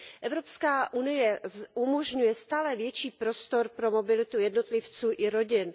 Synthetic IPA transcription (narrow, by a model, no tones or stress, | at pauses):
ʔɛvɾo̞pskaːʔunɪjɛʔumo̞ʒɲujɛst̪aːlɛvjɛt͡ʃiːpɾo̞st̪o̞ɾpɾo̞mo̞bɪlɪt̪ujɛdno̞t̪lɪft͡suːʔɪɾo̞ɟɪn